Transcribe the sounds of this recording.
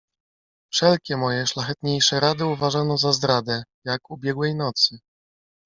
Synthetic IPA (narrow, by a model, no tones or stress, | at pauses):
fʂɛlkʲɛmɔjɛʂlaxɛt̪ɲejʂɛɾad̪ɘuvaʐanɔzazd̪ɾad̪ɛjakubʲjɛɡwɛjnɔt̪sɘ